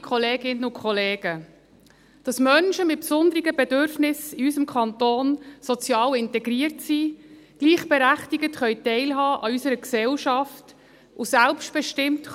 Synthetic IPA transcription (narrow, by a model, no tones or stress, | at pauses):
kʰχɔleːɡɪnːəʊkχɔleːɡ̥ə | d̥ɑsmœnʃəmɪt̚psʊnd̪əɾɪɡəbɛdʏɾfnɪsɪysəmkʰɑntoːnsɔt͡sjɑːlɪntɛɡɾiəɾtsiː | ɡ̥liːχb̥ɛɾæχtiɡətχœʏtɛɪlɦɑːʔɑysəɾəksɛlʃɑft | ʊsælpʃt̚b̥ɛʃtɪmt